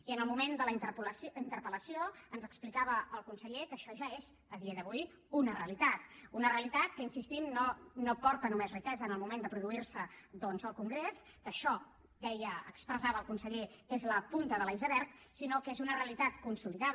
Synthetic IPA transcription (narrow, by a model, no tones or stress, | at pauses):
iənəlˠmumend̪əliplsint̪əɾpələsioənzəksplikaβəːlˠkunsəʎekəʃɔʒaez | əðiəðəβuj | unəreəlit̪at̪unəreəlit̪at̪̚kəinsist̪imːonopɔɾt̪ənumezrikɛzəːnəlˠmumend̪əpɾuðuiɾsəðɔnzəlˠkuŋɡɾes | kəʃɔ | d̪ɛjəəkspɾəzaβəːlˠkunsəʎeezləpunt̪əðəlaizəβɛɾt̪sinokezunəreəlit̪at̪kunsuliðað